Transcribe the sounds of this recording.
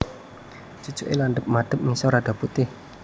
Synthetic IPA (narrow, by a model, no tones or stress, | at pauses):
t͡ʃut͡ʃuʔḛlanɖəp̚maɖ̥ə̤p̚misɔɾaɖ̥a̤put̪ɪh